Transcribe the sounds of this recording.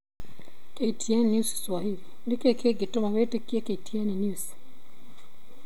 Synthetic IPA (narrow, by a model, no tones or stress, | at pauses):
keitʰiɛnnjusswahilindikɛkʰeɡitɔmaβɛtukiɛkeitʰiɛninjus